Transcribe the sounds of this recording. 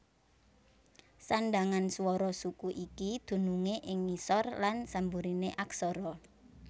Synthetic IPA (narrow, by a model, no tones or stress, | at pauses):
saɳɖaŋanswɔɾɔsukuʔikid̪̥ṳnuŋeʔɪŋmisɔrlansambuɾineʔaksɔɾɔ